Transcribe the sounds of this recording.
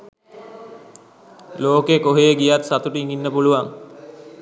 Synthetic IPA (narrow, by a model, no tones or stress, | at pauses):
loːkekoɦejeɡijat̪sat̪uʈiŋinːəpuluʋaŋ